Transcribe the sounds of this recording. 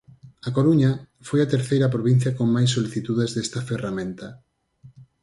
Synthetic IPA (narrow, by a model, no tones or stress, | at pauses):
ɐkoɾuɲɐ | fojɐt̪eɾθejɾɐp̬ɾoβĩn̟θjɐkoŋmajsːoliθit̪uðezðest̪ɐferamẽnt̪ɐ